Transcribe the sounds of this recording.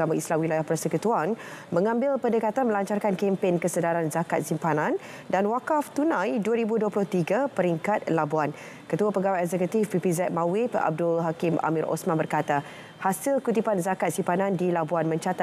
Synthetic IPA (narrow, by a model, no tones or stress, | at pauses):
amaislamwilajahpərsəkut̪uanmə̃ŋãmbɪlpəndəkat̪anməlaɲt͡ʃarkankempɛŋkəsədaɾanzakat̪̚simpanãn | danwakaft̪unãjduəɾibuduəplʊht̪iɡapəɾiŋkat̪̚labuan | kət̪uapəɡawaɛk̚zɛkut̪ifipizɛt̪̚mawɪpa̰b̚dʊlɦakimʔa̰mĩɾʔo̰smãnbərkat̪a | hasilkut̪ipanzakat̪̚simpanãndilabuanmə̃ɲt͡ʃat̪a